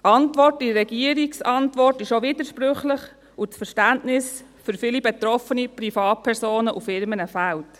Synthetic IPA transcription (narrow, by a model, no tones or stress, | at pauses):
ɑntvʋɔrtiɾɛɡ̥iəɾiksɑntʋɔrtɪʃoʋɪdəɾʃpɾʏχləχ | ʊt͡sfəɾʃtæntnɪsfʏɾfɪlibɛtɾɔfənipɾifɑːt̚pʰɛɾsoːnəʔufɪɾmənəfælt